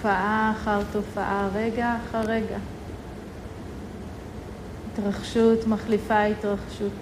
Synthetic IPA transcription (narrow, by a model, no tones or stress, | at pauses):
faʔaːχaʁt̪ofaʔaʁeɡaːχaʁeɡa | itʁaχʃutmaχlifaitʁaχʃut